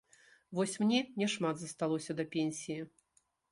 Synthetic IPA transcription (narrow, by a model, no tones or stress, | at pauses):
vɔsʲmnʲɛnʲɛʂmad̪zɐst̪alˠɔsʲɐd̪ɐpʲenʲsʲiji